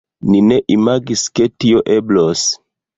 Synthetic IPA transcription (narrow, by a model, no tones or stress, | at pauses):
nineʔimaɡisketioʔeblos